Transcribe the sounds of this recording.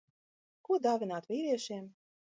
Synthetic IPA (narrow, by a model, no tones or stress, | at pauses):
kud̪avʲinaːt̪vʲiːɾʲiɛʃeːm